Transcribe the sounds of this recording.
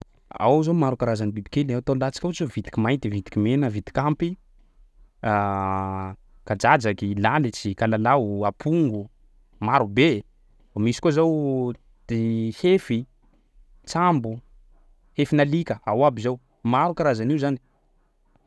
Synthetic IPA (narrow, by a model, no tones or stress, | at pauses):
a̰wzomaɾukaɾazanibibi̥kelat̪onlat͡si̥kʲaut͡ʃzovit̪i̥kʲimajt̪ivit̪i̥kimenəvit̪i̥kʲampi | a | kad͡ʒad͡ʒakilalit͡sikalalauapʰuŋɡu | maɾube | amisi̥kozaw | d̪̥ihefi | t͡sambu | hefinalikəawabizaw | maɾukaɾazaniuzani̥